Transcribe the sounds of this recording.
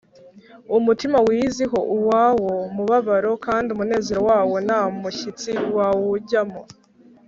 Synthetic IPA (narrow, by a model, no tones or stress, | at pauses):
umutimawiːziɦo̞ʔuwaːwo̞muβaβaɾo̞kaːndiumune̞ːzeɾowaːwo̞namuçit͡siwawuɟamo